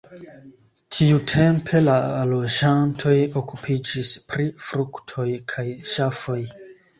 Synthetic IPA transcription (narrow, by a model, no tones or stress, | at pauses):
tʰiutʰe̞mpʰe̞lalo̞d͡ʒantʰo̞jo̞kupʰid͡ʒispɾifɾuktʰo̞jkʰajʃafo̞j